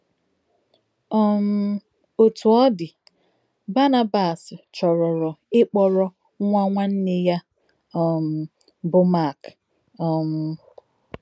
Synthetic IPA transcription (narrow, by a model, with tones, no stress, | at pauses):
ɔ˦m̩˦ | o˨tu˨ɔ˦dɪ˨ | ba˦na˦ba˨st͡ʃɔ˨ɾɔ˨ɾɔ˨ɪ˦k͡pɔ˨ɾɔ˦ | ŋʷa˦ŋʷa˦n̩˦ne˦ja˦˨ | m̩˨ | bʊ˦ma˦˨k | ɔ˨m̩˦